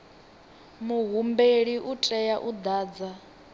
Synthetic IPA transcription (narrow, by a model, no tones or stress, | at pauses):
muɦumbeɺiʔut͡ɬʼɛjaʔud̪aːd͡za